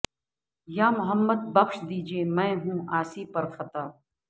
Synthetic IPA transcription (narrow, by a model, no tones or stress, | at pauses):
jaːmʊɦəmːəd̪̚bɐkʃd̪iːd͡ʒieːmɛ̃ːɦũːaːsiːpɐɾxʰɐt̪aː